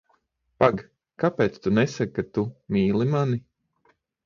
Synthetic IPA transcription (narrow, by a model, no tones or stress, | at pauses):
paɡ | kapeːt̪st̪unɛsakːat̪umiːlˠimani